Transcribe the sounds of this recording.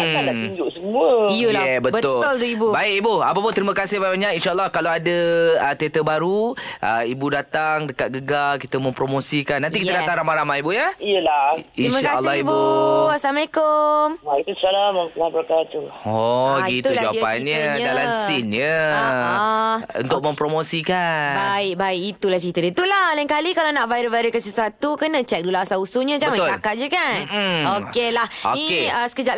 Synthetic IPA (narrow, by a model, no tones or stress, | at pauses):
aadaʔiɲd͡ʒʊʔsəmũəjəlɛbətbəʊlʊlt̪uibubaɪkibua̰pap̬ʊnt̪ɾiməkasɪhbaibaɲakinʃaəlːɔhkaloadəət̪iat̪əbaɾuʔəibudat̪aŋdəkat̪̚ɡəɡalkit̪əmə̃mpɾomosikanːant̪ikit̪aadat̪aŋɾamãɾamaibujəijəlainimaakalːɔibuaslamalekʊmalkumsalamapənahbəɾakat̪uɔit̪ulad͡ʒawaiainɲəɲəalasinɲə | ṵnt̪ʊk̚mə̃mpɾomosikanbaɪk̚baɪkit̪ulaht͡ʃɾit̪ədət̪ulalaŋkalikalanaʔvajɪɾəvaɾəkansəsuat̪ukənə̃t͡ʃɛk̚dulaasausuɲə̃d͡ʒãəŋmaolakaʔ̚d͡ʒəkanokelahoniəsə̥kəd͡ʒa